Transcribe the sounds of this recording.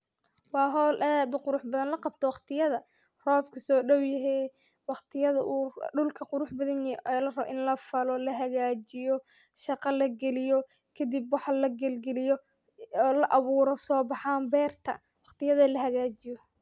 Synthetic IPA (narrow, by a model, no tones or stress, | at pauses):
wɑːɦɔːlʔɛd̪qʊɾʊħbɐðɐnlɐqɑb̚t̪ʰɔwɑqt̪ʰɪjɐðɐ | rɔːbkʰɐsɔːɖɔwjɐɦɛ | wɑχt̪ʰɪjɐðɐʔuːɖʊlkʰɐqʊɾʊħbɐðɐnjɛlɐrɐβɔ̰ʔɪnlɐfɐlɔlɐɦɐɣaːt͡ʃɪjɔ | ʃɑqɑlɐɡɛlɪjɔ | kʰɐd̪ibwɑħɑlɐɡɛlɡɛlɪjɔ | lɐʔɑβuːɾɔsɔːbɑħaːmbɛːrt̪ʰɐ̰ | wɑqt̪ɪjɐðɐlɐɦɐɣaːt͡ʃɪjɔ